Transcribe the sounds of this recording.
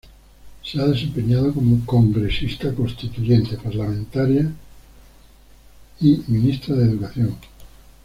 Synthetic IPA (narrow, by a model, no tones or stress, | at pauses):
seaðe̞sẽ̞mpe̞ɲaðokomokoŋɡɾe̞sist̪ako̞nst̪it̪uʝent̪epaɾlamẽnt̪aɾja | imĩnist̪ɾaðeðukaθjo̞ŋ